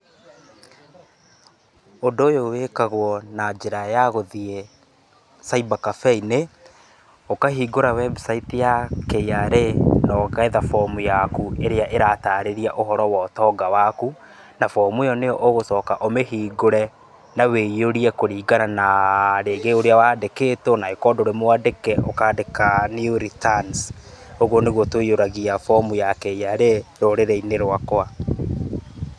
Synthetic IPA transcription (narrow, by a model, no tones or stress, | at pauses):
ondoːjowekaɣwɔnad͡ʒeɾajaɣoðie | saibakafɛine | okaɦiːɡoɾawɛbsaitijakɛjaɾenɔːɣaeðafɔmujakueɾeaʔeɾataːɾeɾiaʔoɦɔɾɔwɔtɔːɡawaku | nafɔmujɔnejɔʔoɣosɔkaʔomeɦiːɡoɾɛ | nawejoɾiɛkoɾiːɡananaɾeɡeoɾeawaːdekeːtɔnaekɔdoɾemwadekɛokaːdekaniuɾitansoɣwoneɣwotoioɾaɣiafɔmujakɛjaɾeɾoɾeɾɛineɾwakwa